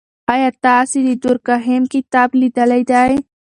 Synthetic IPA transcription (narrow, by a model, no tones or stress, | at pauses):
ajat̪aːsid̪id̪uɾkaɦemkit̪aːblid̪ɐlɐjd̪aj